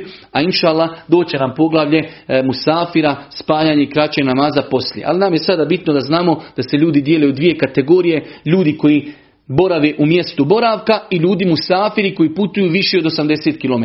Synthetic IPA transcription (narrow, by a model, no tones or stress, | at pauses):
ainʃaːlˠːahd̪o̞ːt͡ɕe̞nampo̞ɡlˠaʋʎe̞musaːfiɾaspaːjaːɲe̞ikɾat͡ɕenamaːzapo̞sljeʔa̰linaːmjesad̪aːbit̪nod̪aznaːmo̞d̪̥aseʎuːd̪id̪je̞leod̪ʋije̞kat̪e̞ɡo̞ːɾije̞ʎuːd̪iko̞ji | bo̞ɾaʋeːʔumje̞st̪ubo̞ɾaʋkaiʎuːd̪imusaːfiɾiko̞jiːput̪ujuːʋiʃeo̞d̪o̞samd̪e̞seːt̪kilome